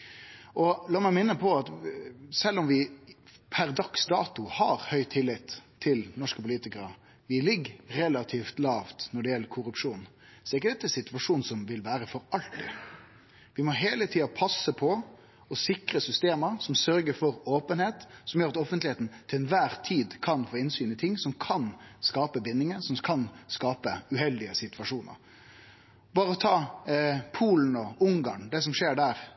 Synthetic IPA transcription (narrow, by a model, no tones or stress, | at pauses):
ʔɔlɑːmæɪmɪnːəpʰɔɑt̪sɛlːɔmʋɪpʰæɾd̪ɑksd̪ɑːt̪ʊhɑɾhœʏt̪ʰɪlːɪt̪ʰː | ɪlnɔʂkəpʊliːt̪ɪkəɾə | ʋɪlɪɡɾɛlɑt̪ʰiːft̪lɑːft̪nɔɖɛjɛlːəɾkʰʊɾʉpʂuːn | sɔɛɾɪkːəd̪ɛt̪ːəɛsɪt̪ʋɑʂuːnsɔmʋɪlʋæːɾəfɔɾɑlt̪ɪ̰ | ʋɪmɔɦeːlət̪ʰiːɑpʰɑsːəpʰɔ | ɔsɪkɾəsʏst̪eːməɾsɔmsœɾɡəɾfɔɾoːpənheːt̪sɔmjøːɾɑt̪ɔfənt̪lɪheːt̪n̩t̪ʰɪlɛnʋæːɾt̪ʰiːd̪kʰɑnfoːɪnsyːnɪt̪ʰɪŋːsɔmkʰɑnskɑːpəbɪnːɪŋənsɔmkʰɑnskɑːpəʉhɛld̪ɪəsɪt̪ʉʋɑʂuːnə̰ɾ | bɑːɾəɔt̪ʰɑː | pʰuːln̩ɔʊŋɡɑ̰ːɳd̪ɛs̬ɔmʂeːɖæːɾ